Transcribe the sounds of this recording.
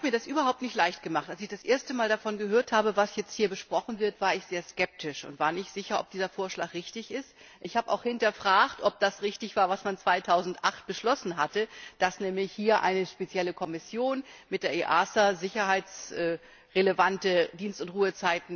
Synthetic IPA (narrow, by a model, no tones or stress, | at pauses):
abmiːɐdasʔyːbɐɦaʊp̚tnɪçtlaɪçt̚ɡ̥əmaχtalsɪçd̥asʔeːɐstəmaːldafɔnɡəɦøːɐthaːbəvasjɛt͡sthiːɐbəʃpʁ̥ɔχn̩vɪɐtv̥aːɐɪçz̥eːɐskɛp̚tʰɪʃʊ̰ntv̥aːɐnɪçtz̥ɪçɐʔɔ̰p̚d̥iːzɐfoːɐʃla̰ːkʁɪçtɪçɪst | ʔɪçhaːbəʔa̰ʊxhɪntɐfʁ̥aːxtʔɔp̚d̥asʁɪçtɪçv̥aːɐvasmant͡sv̥aɪtʰaʊzn̩tʔaχt̚b̥əʃlɔsn̩ɦatəd̥asnɛːmlɪçhiːɐʔa̰ɪnəʃpet͡sjɛləkʰɔmɪsjoːnmɪt̚d̥eːɐʔeʔaːsazɪçɐhaɪt͡sʔɛː | ʁeləvantədiːnstʊntʁuːət͡saɪtn̩